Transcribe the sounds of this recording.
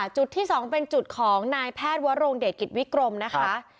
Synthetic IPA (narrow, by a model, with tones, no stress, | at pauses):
t͡ɕu˨˩t̪ʰːiː˥˩sɔː˩˦ŋpe˧nt͡ɕu˨˩t̪̚kʰɔː˩˦ŋnaː˧jpʰɛː˥˩t̪̚wa˦˥ɾoː˧ŋdeː˨˩t̪̚ki˨˩t̪̚wi˦˥kɾo˧mna˦˥kʰa˦˥ʔ